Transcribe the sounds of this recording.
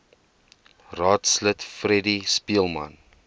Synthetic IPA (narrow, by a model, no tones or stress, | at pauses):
rɑːtslətfrɛdispiəlˠmɐ̰n